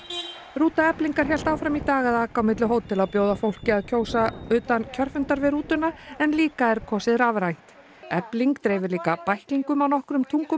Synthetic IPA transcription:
ruːt̪aɛpliŋkaɾ̥hçɛl̥t̪aːwfɾamit̪aːɣaðakawmɪt̪lʏɦoːwt̪ʰːɪlawpjoːwðafowl̥cɪaðcʰoːwsaʏːt̪ancʰœr̥fʏnt̪aɾvɪðɾuːt̪ʏnaɛnliːkaɛɾkʰɔsɪðɾavɾajn̥t̪ | ɛpliŋkt̪ɾɛːjvɪɾliːkapajhkliŋkʏmawnɔhkɾʏmt̪ʰuŋkʏ

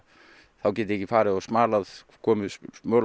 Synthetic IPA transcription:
θawcɛːt̪ɪɾɛhcːɪfaːɾɪðɔsmaːlað | kʰɔːmɪmœːl

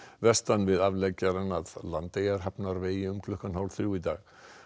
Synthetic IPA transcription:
vɛst̪anvɪðavlɛcaɾanaðlant̪ejaɾ̥ɦapnaɾveːjɪʏmkʰlʏhkanhawlθɾjuit̪a̰ːɣ

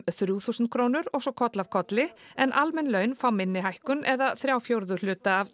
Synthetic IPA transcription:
θɾjuːθusnt̪̚kʰɾoːwnʏɾɔɣsɔkʰɔt̪lav̥kʰɔt̪lɪɛnʔalmɛnlœːɥnfawmɪnːɪɦajhkʏnɛðaθɾjaːwfjowɾðʏlʏːt̪aːv

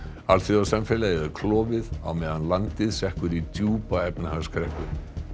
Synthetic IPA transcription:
alθɪasamfɛlajɛakʰlɔːvɪða̰wmɛːðanlant̪ɪðsɛhkvʏɾit̪ʰjuːpaɛpnahaskɾɛhkʏ

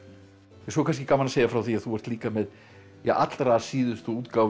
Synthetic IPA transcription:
jɛsɔkʰans̬cɪkaːmanaseːjafɾawθiaðθuvɛɾ̥t̪liːkamɛð | jɛɣa̰t̪lɾaːsiːðʏst̪uuːt̪kaːwv

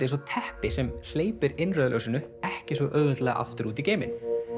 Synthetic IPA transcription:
ɪs̬ɔt̪ʰɛhpɪsɛml̥eːjpɪɾɪnːrœðlœ̰wsɪnʏɛhcɪsvɛʔœːɣðɛt̪lɛːɣa̰ʔa̰ft̪ʏɾuːt̪̬iceːjmɪ̰n

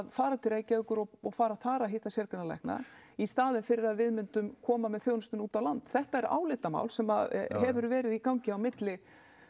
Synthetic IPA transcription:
ðfaːɾat̪ʰɪlɾeːjcaʏhkʏɾɔɔɣfaːɾaθaːɾaɦɪht̪asɛɾkʏnalɛ̰hkna̰ist̪aːðɪnfɪɾɪɾaðvɪðmʏnt̪ʏmkʰɔːmamɛðθjownst̪ʏnuːt̪avwlant̪θɛht̪aɛɾa̰ːwlɪt̪ama̰ːwlsɛmaðɦɛvʏɾvɛːɾɪðikawɲcɪawmɪt̪lɪ

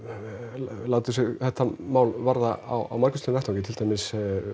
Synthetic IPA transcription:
laːwt̪ʏsɛɣθɛht̪ːamaːwlvaɾðaa̰wa̰wmaɾkʏ̥st̪inɾɛht̪ʰawcɪt̪ʰɪlt̪ajmɪs

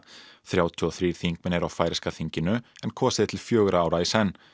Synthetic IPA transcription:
θɾjaːwt̪ʰiɔθɾiːɾ̥θiŋkmɪnɛɾawfaːjɾɪskaθiɲcɪnʏɛnkʰɔːsɪðɪt̪ʰɪlfjœːɣʏɾaaːwɾaisɛnː

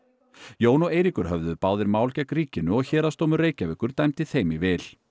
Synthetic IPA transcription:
joːwnɔeːjɾikʏɾ̥ɦœvðʏpaːwðɪɾmaːwlcɛkriːcɪnʏɔɣçɛːɾast̪owmʏreːjcavɪhkʏɾ̥t̪ajmt̪ɪθejmivɛːl

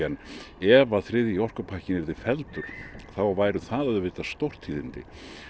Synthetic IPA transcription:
ɛnːɛvaðθɾɪðiɔr̥kʏpʰahcɪnɛɾðɪfɛlt̪ʏɾ̥θawvaːjɾʏθaðaðʏvɪːt̪ast̪owr̥t̪hiːðɪnt̪ɪ̰

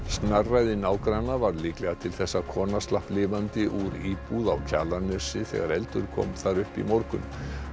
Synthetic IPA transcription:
st̪narːajðɪnaːwkɾajnavaɾliːklɛɣat̪ʰɪlθɛsːakʰɔːnast̪lahplɪːvant̪ɪʔuɾiːpuðawcʰa̰ːlanœsɪθɛ̰ɣaɾɛlt̪ʏɾ̥kʰɔ̰ːmθaɾʏhpḭmowɾkʏnm

